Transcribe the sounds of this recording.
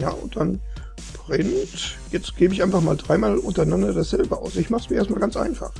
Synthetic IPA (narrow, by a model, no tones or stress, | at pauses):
ja̰ːʔʊnt̚d̥an | b̥ʁɪntjɛt͡stɡ̥eːbəɪçʔaɪnfaχmaːldʁaɪmaːlʔʊntɐanandɐdasz̥ɛlbəʔa̰ʊsɪçmaχəsmiːɐeːɐstmaːlɡant͡sʔa̰ɪnfa̰χ